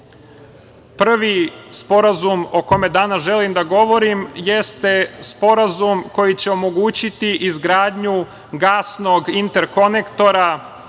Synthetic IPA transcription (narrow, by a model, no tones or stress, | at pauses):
pr̩ʋispo̞ɾazumo̞ko̞me̞d̪aːnasʒelimd̪aɡo̞ʋo̞ɾimjest̪e̞spo̞ɾazumko̞jit͡ɕe̞o̞mo̞ɡuːt͡ɕit̪iʔizɡɾaːd̪ɲu | ɡaːsno̞ɡint̪e̞ɾko̞nekt̪o̞ɾa